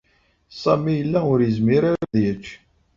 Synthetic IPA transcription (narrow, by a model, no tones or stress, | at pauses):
sˤɑmijəlːæʊɾjəzmiɾaɾaðjət͡ʃː